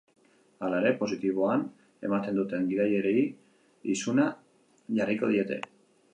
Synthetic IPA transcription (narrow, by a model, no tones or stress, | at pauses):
alaɾe̞po̞sit̪iβ̞o̞an | e̞̰mat̪e̞nd̪ut̪e̞ŋɡiðaje̞ɾe̞i | isuna | ʝariko̞ð̞ie̞t̪e̞̰